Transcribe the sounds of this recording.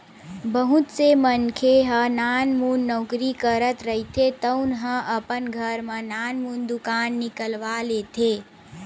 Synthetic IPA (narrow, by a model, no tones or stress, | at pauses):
bəɦut̪semənkʰeɦə̃naːnmunːɔːkɾikəɾət̪ɾəɦit̪ʰet̪əʊnɦə̃ʔəpənɡʱəɾmə̃naːnmund̪ʊkaːnːɪkəlʋalet̪ʰe